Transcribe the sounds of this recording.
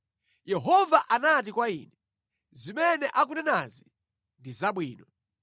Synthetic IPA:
jɛɦɔvaʔanat̬ikwaḭːnɛ | zimɛnɛʔak̬unɛnazi | ndizaɓwiːnɔ

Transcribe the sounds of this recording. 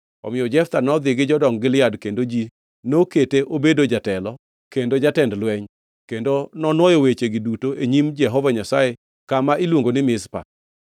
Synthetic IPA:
ɔ̰mɪjɔd͡ʒɛft̪anɔd̪ɪɡɪd͡ʒɔdɔŋɡɪlɪjadkendod͡ʒi | noketeʔobedod͡ʒatɛlɔ | kendod͡ʒatɛndlwɛɲ | kendonɔnwɔjowet͡ʃeɡɪdutoʔeɲimd͡ʒɛɦɔvaɲasae | kamailwoŋɡonɪmɪspa̰

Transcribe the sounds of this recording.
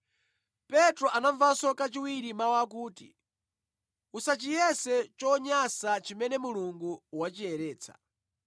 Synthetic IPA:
pɛtɾɔʔanaɱvasɔkat͡ʃiwiɾimawak̬uːtḭ | usat͡ʃijɛsɛt͡ʃɔɲasat͡ʃimɛnɛmuluŋɡuwat͡ʃiɛɾɛːt͡sʰḁ̰

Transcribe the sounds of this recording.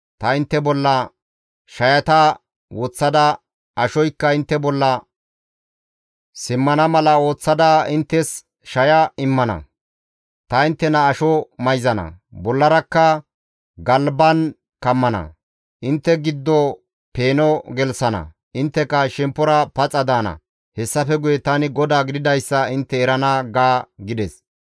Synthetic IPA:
t̪ɐɪnt̪ːɛbɔlːɐ | ʃɐjɐt̪ɐ | wɔt͡sːɐd̪ɐ | ɐʃɔjkːɐɪnt̪ːɛbɔlːɐ | sɪmːɐnɐmɐlɐo̞ːt͡sːɐd̪ɐɪnt̪ːɛs | ʃɐjɐɪmːɐnɐ̰ | t̪ɐɪnt̪ːɛnɐːʃɔmɐjzɐnɐ̰bɔlːɐɾɐkːɐ | ɡɐlbɐn | kɐmːɐnɐ̰ | ʔɪnt̪ːɛɡɪd̪ːɔ | pe̞ːnɔɡɛlsɐnɐ̰ | ɪnt̪ːɛkɐʃɛmpːɔɾɐpɐt͡sʼːɐd̪aːnɐ̰ | hɛsːɐfɛɡʊjɛt̪ɐnɪɡɔd̪aːɡɪd̪ɪd̪ɐjsːɐɪnt̪ːɛːɾɐnɐɡaːɡɪd̪ɛs

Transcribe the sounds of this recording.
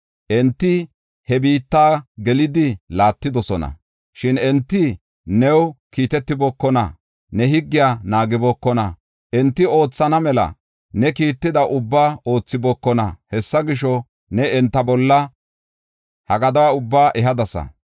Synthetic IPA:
ʔɛnt̪ːɪ | hɛbiːt̪ːaːɡɛlɪd̪ɪlaːt̪ːɪd̪ɔsɔnɐ̰ | ʃɪnɛnt̪ːɪ | nɛwkiːt̪ɛt̪ːɪbɔkːɔnɐ̰ | nɛɦɪɡːɪjaːnaːɡɪbɔkːɔnɐ | ʔɛnt̪ːɪo̞ːt͡sːɐnɐmɛlɐ̰ | nɛkiːt̪ːɪd̪ɐʔʊbːaːo̞ːt͡sːɪbɔːkːɔnɐ̰hɛsːɐɡɪʃɔ | nɛɛnt̪ːɐbɔlːɐ | hɐɡɐd̪ɐwaʊbːaːʔɛɦɐd̪ɐsɐ̰

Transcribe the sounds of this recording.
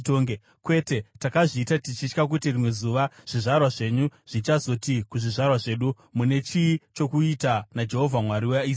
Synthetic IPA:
toːŋɡe | kwe̞te̞takaʐiːtatit͡ʃit͡ʃkak̬utirimwe̞zuːʋaʐ̥iʐarwaʐe̞ɲuʐ̥it͡ʃazo̞tikuʐiʐarwaʐe̞ɗu | mune̞t͡ʃit͡ʃo̞kuitanad͡ʒe̞ɦo̞vʱamwaɾiwei

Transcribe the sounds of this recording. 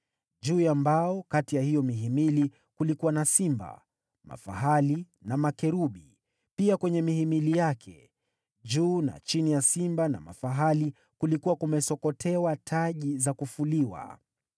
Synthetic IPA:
ʄuːjambaɔkatijahijɔmiɦimili | kulikuwanasimba̰ | ma̰fa̰ɦali | namakɛɾuɓi | piakwɛɲɛmihimilijakʰɛ̰ | ʄuːna̰t͡ʃinijasimbana̰ma̰faɦali | kulikuwakumɛsɔkɔtʰɛwatʰaʄizakufuliwa̰

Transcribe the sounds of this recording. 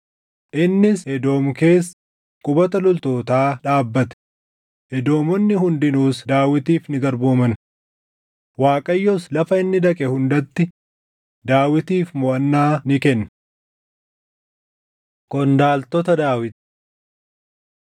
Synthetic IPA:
ʔɪnːɪsɛd̪o̞ːmke̞ːsː | kʼʊbɐt̪ɐlʊlt̪o̞ːt̪aːᶑaːbːɐt̪ɛ̥ | ʔɛd̪o̞ːmɔnːɪhʊnd̪ɪnuːsd̪aːwɪt̪iːfnɪɡɐɾboːmɐn | waːkʼɐjːɔslɐfɐɪnːɪd̪ɐkʼɛhʊnd̪ɐt̪ːɪ | d̪aːwɪt̪iːfmɔʔɐnːaːnɪkɛnː | kɔnd̪aːlt̪ɔt̪ɐd̪aːwɪt̪

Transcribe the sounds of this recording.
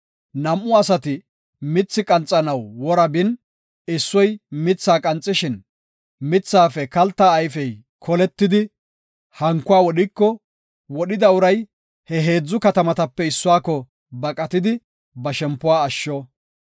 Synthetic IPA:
nɐmʔːʊɐsɐt̪ɪ | mɪt͡sːɪkʼɐnt͡sʼːɐnɐwːɔɾɐbɪn | ɪsːɔjmɪt͡sːaːkʼɐnt͡sʼːɪʃɪn | mɪt͡sːaːfɛkɐlt̪ːaːjfɛj | kʰɔlɛt̪ːɪd̪ɪ | hɐŋkːʊwaːwɔɗɪkːɔ | wɔɗɪd̪ɐʊɾɐj | hɛɦe̞ːd͡zːʊkɐt̪ɐmɐt̪ɐpːɛɪsːʊaːkːɔ | bɐkʼɐt̪ɪd̪ɪ | bɐʃɛmpːʊwaːʃːɔ

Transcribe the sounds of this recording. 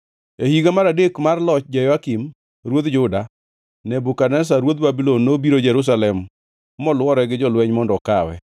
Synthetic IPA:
ehiɡamaɾadekmarlɔt͡ʃd͡ʒajɔakim | ɾwod̪d͡ʒʊda | nɛbukanɛs̬aɾwot̪̚babilonːobiɾod͡ʒɛɾus̬alɛm | mɔlwɔɾɛɡɪd͡ʒɔlwɛɲmɔndɔkawɛ̰

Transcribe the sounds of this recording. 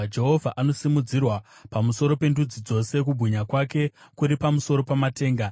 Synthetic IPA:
d͡ʒe̞ɦo̞vʱaʔanosimud͡zirwapamuso̞ɾo̞pe̞ndud͡zid͡zo̞se̞k̬ubʱuɲakwake̞kuɾipamuso̞ɾo̞pamate̞ːŋɡa

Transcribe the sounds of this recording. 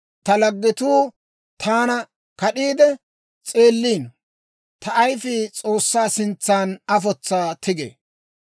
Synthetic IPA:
t̪ɐlɐɡːɪt̪uː | t̪ʰaːnɐ | kɐɗiːd̪ɛ | t͡sʼe̞ːlːiːn | t̪ɐʔːjfɪt͡sʼo̞ːsːaːsɪnt͡sːaːnɐfɔt͡sːaːt̪ʰɪɡḛː

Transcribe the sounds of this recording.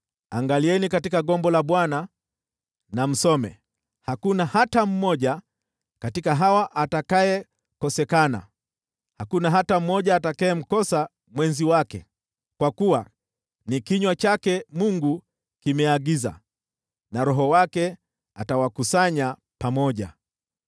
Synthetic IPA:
a̰ŋɡaliɛnikatikaɠɔmbɔlaɓwana | nam̩sɔmɛ̰ | hakunahatam̩mɔʄa | katikaɦawaʔatakajɛ | kɔsɛkana̰ | hakunaɦatam̩mɔʄaːtakaɛm̩kɔsa | mwɛnziwakɛ̰ | kwakuwa | nikiɲwat͡ʃakɛmuŋɡu | kimɛaɠiza̰ | naɾɔɦɔwakɛ | a̰tawakusaɲa | pamɔʄa̰

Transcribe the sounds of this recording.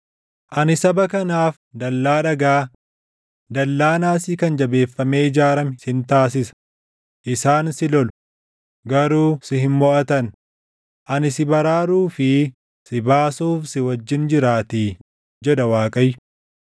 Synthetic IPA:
ʔɐnɪsɐbɐkɐnaːf | d̪ɐlːaːᶑɐɡaː | d̪ɐlːaːnaːsɪkɐnd͡ʒɐbe̞ːfːɐmeːɪd͡ʒaːɾɐmsɪnt̪aːs̬ɪsɐ̥ | ʔɪsaːnsɪlɔlʊ̥ | ɡɐɾuːsɪhɪnmɔʔɐt̪ɐn | ʔɐnɪsɪbɐɾaːɾuːfɪ | sɪbaːsuːfsɪwɐd͡ʒːɪnd͡ʒɪɾaːt̪iː | d͡ʒɛᶑɐwaːkʼɐjːʊ

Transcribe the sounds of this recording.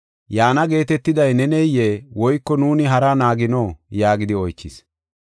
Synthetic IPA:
jaːnɐɡe̞ːt̪ɛt̪ːɪd̪ɐjnɛnɛjjːeːwɔjkːɔnuːnɪɦɐɾɐnaːɡɪnoːjaːɡɪd̪ɪɔjkːɪs

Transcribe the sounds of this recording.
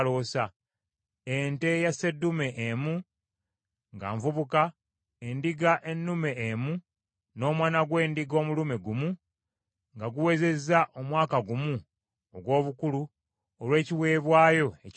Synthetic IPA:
lo̞ːsa | ente̞jase̞dːume̞ʔemu | ŋɡa̰ːɱvuβuka | endiɡaʔe̞nːume̞ːmu | no̞ːmwaːnaɡwe̞ːndiɡo̞ːmulumeɡumu | ŋɡaɡuwe̞ze̞zaʔo̞mwaːkaɡumu | oɡwo̞ːβukulu | olwe̞ːciwe̞ːβwaːjo̞e

